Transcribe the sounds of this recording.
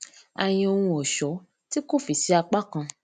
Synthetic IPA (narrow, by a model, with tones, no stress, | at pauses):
a̰˨j̃ĩ˧o˧hũ˧ɔ˨ʃɔ˨˦ | ti˦ko˦˨fi˨si˨˦a˧k͡pa˦kã˧